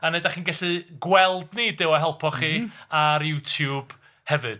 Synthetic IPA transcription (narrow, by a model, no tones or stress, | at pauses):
aneɨdaχiːnɡɛɬɨɡwɛlˠdnidɪwaɦɛlˠpʰɔχiːaɾjutʰjub̥ | hɛvɨd̥